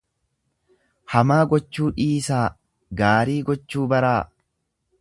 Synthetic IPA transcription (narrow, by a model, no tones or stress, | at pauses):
hɐmaːɡɔt͡ʃːuːᶑiːsaː | ɡaːɾiːɡɔt͡ʃːuːbɐɾaː